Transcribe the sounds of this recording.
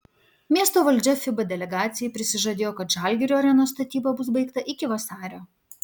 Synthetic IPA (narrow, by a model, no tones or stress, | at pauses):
mʲiɛst̪oːʋɐlʲd͡ʒʲɛfʲɪbɐd̪ʲɛlʲɛɡɑːt̪sʲɪjɛɪpʲɾʲɪsʲɪʒɐd̪ʲeːjoːkɐt̪ʒɑˑlʲɡʲɪɾʲoɐɾʲɛnoːst̪ɐt̪ʲiːbɐbʊs̬bɐɪkt̪ɐʔɪkʲɪʋɐsɑːɾʲoː